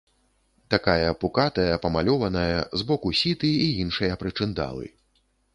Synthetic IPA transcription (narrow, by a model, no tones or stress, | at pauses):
t̪akajɐpukat̪ɐjɐpɐmalʲɔvɐnɐjɐzbɔkusʲit̪ɨiinʂɨjɐpɾɨt͡ʂɨnd̪a̰lˠɨ̰